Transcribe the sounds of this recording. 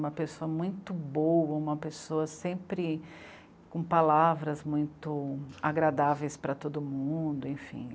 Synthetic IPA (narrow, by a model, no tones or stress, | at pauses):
ũmɐpesoɐmũj̃t̪ʊbowɐũmɐpesoɐsẽmpɾɪ | kõpalavɾɐzmũj̃t̪ʊaɡɾad̪avejspɾɐt̪od̪ʊmũd̪ʊẽj̃fḭ̃